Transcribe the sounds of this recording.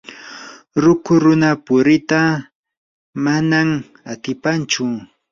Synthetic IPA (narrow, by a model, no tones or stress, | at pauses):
ɾʊkʊɾʊnapʊɾɪt̪a | manam | at̪ɪpant͡ʃʊ